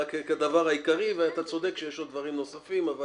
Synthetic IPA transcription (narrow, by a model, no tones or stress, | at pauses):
keked̪avaʁhaikaʁiveat̪at͡so̞d̪e̞kʃejeʃod̪vaʁimnosafimava